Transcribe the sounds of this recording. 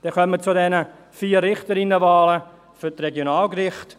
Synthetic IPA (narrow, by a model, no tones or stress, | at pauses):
d̥ɛkœmət͡sʊdɛnə | fiːrrɪχtəɾɪnːəvaːlə | fytrɛɡjonaːlkɾɪχt